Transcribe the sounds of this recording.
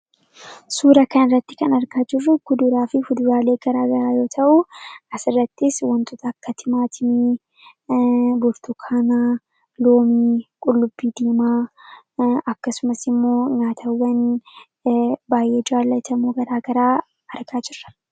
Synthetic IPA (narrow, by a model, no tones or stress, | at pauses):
suːɾɐkɐnɪrːɐt̪ːɪ̥kɐnɐɾɡaːd͡ʒɪrːʊɡʊd̪ʊɾaːfɪfʊd̪ʊɾaːle̞ːɡ̥ɐɾaːɡɐɾaːjo̞ːt̪ʰɐʔʊʔɐsɪrːɐt̪ːɪswɐnt̪ʼʊt̪ɐkːɐt̪ʰɪmaːt̪ʰɪmiː | bʊɾt̪ʊkʰaːnaː | lo̞ːmiːkʼʊlːʊbːiːd̪eːmaː | ɐkːɐsʊmɐsɪmːo̞ːɲaːt̪ʰɐwːɐn | baːje̞ːd͡ʒaːlːɐt̪ʰɐmuːɡɐɾaːɡɐɾaː | ɐɾɡaːd͡ʒɪrːɐ̥